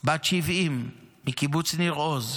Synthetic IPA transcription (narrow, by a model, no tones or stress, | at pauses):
bat͡ʃivimːikibut͡sniʁoz